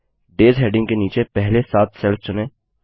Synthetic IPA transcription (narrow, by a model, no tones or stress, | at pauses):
ɖeːzɦeːɖɪ̃ŋɡkeniːt͡ʃepɛɦlesaːt̪ʰsɛlft͡ʃʊnẽː